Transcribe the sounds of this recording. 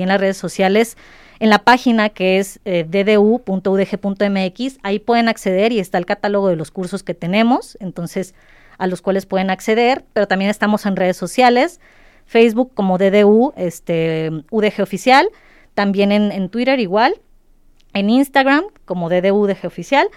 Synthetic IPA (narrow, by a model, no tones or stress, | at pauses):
enlazre̞ðeso̞sjale̞s | e̞nlapaxinakeezeðe̞ðeupunt̪o̞uðexe̞punt̪o̞emeekisaipweðe̞nakse̞ðe̞ɾie̞st̪aelkat̪alo̞ɣ̞o̞ðe̞lo̞skuɾso̞ske̞t̪e̞nẽ̞mo̞se̞nt̪o̞nse̞s | alo̞skwale̞spwe̞ð̞e̞nakse̞ðe̞ɾpe̞ɾo̞t̪ambje̞nest̪amo̞se̞nre̞ðe̞sːo̞sjale̞s | fejzβukːo̞mo̞ðe̞ðeue̞st̪euðe̞xe̞o̞fisjal | t̪ambje̞ne̞nent̪wiɾe̞ɾiɣwal | eninst̪aɣɾamko̞mo̞ðe̞ðeuðe̞xeofisjal